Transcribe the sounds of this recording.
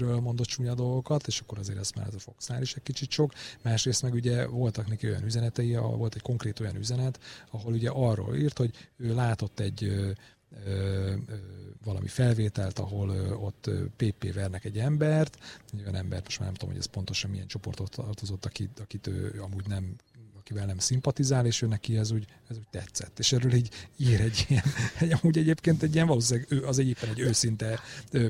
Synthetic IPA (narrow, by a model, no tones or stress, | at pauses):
ɾøːlmo̞nd̪o̞t̪t͡ʃuːɲɒd̪o̞lɡo̞kɒt̪eːʃɒkːo̞ɾɒzḛːɾɛst̪mɛ̰lːɛ̰t̪ɛfoksnaːliʃɛc̚kit͡ʃit̪ʃo̞kmaːʃreːst̪mɛɡuɟɛvo̞lt̪ɒknɛkio̞jɒ̰nyzɛnɛt̪ɛjiɒ̰vo̞lt̪ɛcko̞ŋkreːt̪o̞jɒnyzɛnɛt̪ɒɦo̞luɟɛʔɒrːo̰ːliːrt̪ho̞ɟøːlaːt̪o̞t̪ːɛɟːø | ø | vɒlɒ̰mʔḭfɛlveːt̪ɛlt̪ɒɦo̞løo̞t̪ːø̰ːpeːpḛːvɛrnɛkɛɟːɛmbɛrt̪ojɒnɛmbɛ̰rt̪moʃma̰ːɾnɛmt̪o̰m̰ɦɛ̰spo̞nt̪o̞ʃɒmːijɛnt͡ʃo̞po̞rt̪o̞t̪rt̪o̞zo̞t̪ːɒkiɒkit̪ø̰ːɒmuːɟnɛmɒkivɛlnɛmsimpɒt̪izaːleːʃøːnɛkiɛzuːɟ | ɛzuːɟ̚ʲt̪ɛt̪sɛt̪ːeːʃɛrøːliːɟiːɾɛɟːijɛnɛɒmuːɟɛɟeːpkeːnt̪ɛɟːijɛɱvɒloːsilaːɡøːɒzeːeːpːɛnɛɟːøːsint̪ɛøː